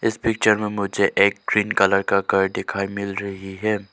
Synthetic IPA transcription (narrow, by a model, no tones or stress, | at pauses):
ɪspɪk̚t͡ʃəɾmẽmʊd͡ʒʱeʔeːk̚ɡɾiːnkɐləɾkakaɾd̪ɪkʰaːimɪlɾɐɦiɦɛː